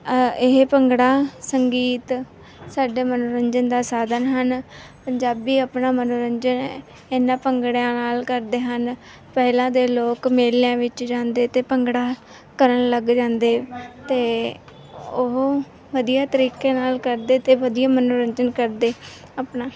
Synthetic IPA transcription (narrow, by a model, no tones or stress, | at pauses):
ɪɦpəŋɡɽaːsəŋɡiːt̪ | saːɖeːmənoːɾəɲd͡ʒənd̪aːsaːd̪ənɦən | pəɲd͡ʒaːbiːəpnaːmənoːɾəɲd͡ʒən | ɪnãːpəŋɡɽjãːnaːlkəɾd̪eːɦən | pɛːlãːd̪eːloːkmeːljãːʋɪt͡ʃd͡ʒãːnd̪eːt̪eːpəŋɡɽaː | kəɾəɳləɡd͡ʒãːnd̪eːt̪eː | ʊɦ | ʋəd̪ijaːt̪əɾiːkeːnaːlkəɾd̪eːt̪eːʋəd̪iːjaːmənoːɾəɲd͡ʒənkəɾd̪eː | apnaː